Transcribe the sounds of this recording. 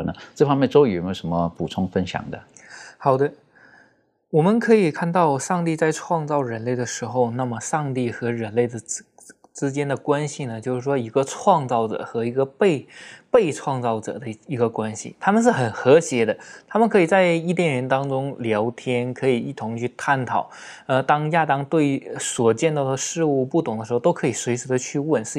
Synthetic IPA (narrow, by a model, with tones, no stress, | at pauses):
nə˧˦ʈ͡ʂɤ˥˩fɑ˥mjɛ˥˧nt͡so˥ʊi˨˩˨me˥˩˥ʊʂə˧˥nmə˧pu˨˩t͡sʰʊ˥ŋfə˥nɕjɑ̰˨˩ŋd̪ə̰˦xɑ˨˩ʊd̪ə˦ | wɔ˨˩mə˦nkʰɤ˧˥i˨˩kʰa˥˧nt̪ɑ˥˧ʊʂɑ˥˧ŋt̪i˥˧t͡sa˥˧ɪʈ͡ʂʰwɑ˥˧ŋt͡sɑ˥˩ʊɻə˧˥nle˥˩ɪd̪ə˩ʂɻ̩˧˥xo˧ʊna˥˩mə˩ʂɑ˥˧ŋt̪̬i˥˩xɤ˧˥ɻə˧˥nle˥˩ɪd̪ə˩˥ | ʈ͡ʂɻ̩˥t͡ɕjɛ˥nd̪ə˨kwa˥nɕi˨˩nə˩t͡ɕjo˥˧ʊʂɻ̩˥˩ʂwɔ˥i˧˥ɡə˧ʈ͡ʂʰwɑ˥˧ŋt͡sɑ˥˩ʊʈ͡ʂɤ̰˨˩xɤ˧˥i˧˥ɡə˧pe˥˧ɪpe˥˧ɪʈ͡ʂʰwɑ˥˧ŋt͡sɑ˥˩ʊʈ͡ʂɤ̰˨˩d̪ə˦i˧˥ɡə˧kwa˥nɕḭ˨˩t̪ʰa˥mə˨nʂ̬ɻ̩˥˩xə˨˩nxɤ˧˥ɕjɛ˧˥d̪ə˧t̪ʰa˥mə˨nkʰɤ˧˥i˨˩t͡sa˥˧ɪi˥˩t̪jɛ˥˩nɻə˧˥nt̪ɑ˥ŋʈ͡ʂʊ˥ŋljɑ˧˥ʊt̪ʰjɛ˥nkʰɤ˧˥i˨˩i˥˩t̪ʰʊ˧˥ŋt͡ɕʰy˥˧t̪ʰa˥˩nt̪ʰɑ˨˩˦ʊ | ə˧t̪ɑ˥ŋja˥˧t̪ɑ˥ŋt̪we˥˩ɪswɔ˨˩t͡ɕjɛ˥˧nt̪ɑ˥˩ʊd̪ə˩ʂɻ̩˥˧u˥˧pu˥˩t̪ʰʊ˨˩ŋd̪ə˦ʂɻ̩˧˥˧t̪o˥ʊkʰɤ˧˥i˨˩swe˧˥ɪʂɻ̩˧˥d̪ə˧t͡ɕʰy˥˧wə˥˩nʂ̩˥˩